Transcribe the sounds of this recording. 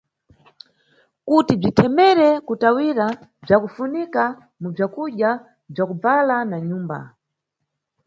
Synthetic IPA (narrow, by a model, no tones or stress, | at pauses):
kutib͡ʐitʰɛmɛɾɛkutawiɾab͡ʐakufunika | mub͡ʐakuʄja | b͡ʐakub͡valanaɲuːmba̰